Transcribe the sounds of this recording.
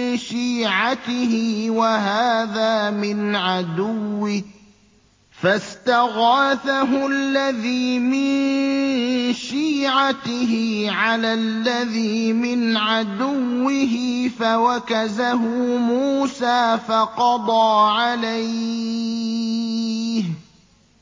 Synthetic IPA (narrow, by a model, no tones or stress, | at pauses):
ʃiːʕat̪ɪɦɪwaɦaːðaːmɪnʕad̪ʊwːɪh | fast̪aɣaːθaɦʊʔalːaðiːmɪn | ʃiːʕat̪ɪɦɪʕalaːlːaðiːmɪnʕad̪ʊwːɪɦɪfawakazaɦʊmuːsaːfɑqɑd̪ˤɑːʕalaj | h